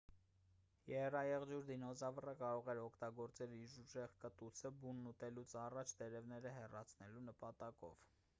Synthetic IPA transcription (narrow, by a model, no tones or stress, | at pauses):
jɛhɛrɑjɛʁd͡ʒuɾd̪inɔzɑvərəkɑɾɔʁɛɾɔkʰt̪ɑɡɔɾt͡sɛliʒuʒɛʁkət̪ut͡sʰəbunːut̪ɛlut͡sʰɑrɑt͡ʃʰd̪ɛɾɛvnɛɾəɦɛrɑt͡sʰnɛlunəpɑt̪ɑkɔ̰v̥